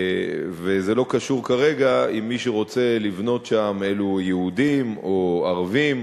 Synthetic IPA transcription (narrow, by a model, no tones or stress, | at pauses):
veze̞lo̞kaʃuʁkaʁe̞ɡaimːiʃeʁo̞t͡se̞livno̞tʃame̞lujehud̪imo̞aʁavim